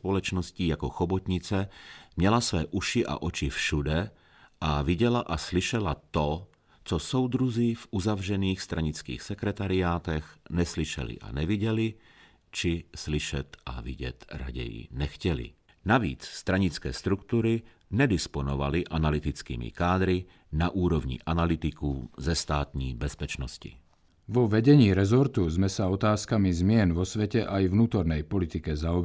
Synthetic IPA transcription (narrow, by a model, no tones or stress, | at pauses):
polɛt͡ʃnoscijakoxobot̪ɲɪt͡sɛmɲɛlasvɛːʔuʃɪʔa̰ʔot͡ʃɪfʃudɛ | ʔavɪɟɛlaʔaslɪʃɛlat̪o | t͡sosowd̪ɾuzifʔuzavrɛniːxst̪ɾʔaɲɪt͡skḭːxsɛkɾɛt̪aɾɪaːt̪ɛxnɛslɪʃɛ̰lɪ̰ʔa̰nɛvɪɟɛlɪ | t͡ʃɪslɪʃɛt̪ʔa̰vɪɟɛ̰t̪ɾa̰ɟɛ̰jḭnɛxcɛlḭ | naʋḭːt͡sst̪ɾaɲit͡skɛ̰ːʃt̪ɾukt̪uːɾi | ɲɛd̪ispɔnɔʋaliʔanalit̪it͡skḭːmḭkaːd̪ɾi | naʔuːɾɔʋɲḭʔanalit̪ikuzɛst̪aːt̪ɲiːbɛspɛt͡ʃnɔscḭ | ʋɔʋɛɟɛɲiːɾɛzɔɾt̪uzmɛsaɔt̪aːskamizmɪɛnʋɔsʋɛcɛʔajvnuːt̪ɔɾnɛjpɔlit̪ikɛzaɔb